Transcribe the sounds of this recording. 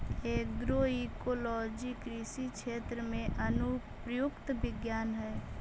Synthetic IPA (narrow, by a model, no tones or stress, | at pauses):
eːk̚ɡɾoikolɔd͡ʒikɾisikt͡ʃʰet̪ɾəmẽʔənu | pɾəjukt̪bɪɡjaːnɦɛː